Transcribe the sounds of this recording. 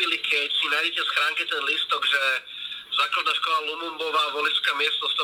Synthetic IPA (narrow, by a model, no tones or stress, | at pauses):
ilikʰɛcsinajɟɛcɛsxɾaːŋkɛt̪ɛnlist̪ɔɡʒɛ | z̥aːklad̪naːʃkɔlalumumbɔʋaːʋɔliskamɪɛst̪ɔst̪ɔ